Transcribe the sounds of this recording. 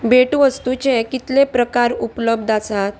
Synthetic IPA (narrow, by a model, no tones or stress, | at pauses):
beʈʋəst̪ut͡ɕekit̪lepɾəkaɾupləbd̪ʱasat̪